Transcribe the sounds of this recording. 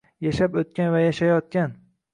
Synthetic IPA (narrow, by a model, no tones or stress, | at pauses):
jaʃapot̪̚kʲanvajaʃajɒt̪̚kʲan